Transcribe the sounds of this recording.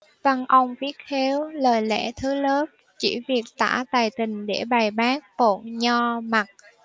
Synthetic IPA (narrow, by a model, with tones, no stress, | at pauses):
və˧nʔə˧wŋ͡mfi˦˥ət̚he˨˦wləː˨˩jlɛ̰˧˥t̪ʰɨ˨˦ləː˦˥p̚ | t͡ɕḭ˧˩vi˨˩ək̚t̪a̰ː˧˥˩t̪aː˨˩jt̪ï˨˩ŋ̟ɗe˧˩ɓa˨˩jɓaː˦˥k̚po̰˧˩˨nɲɔ˧ma˨˩t̚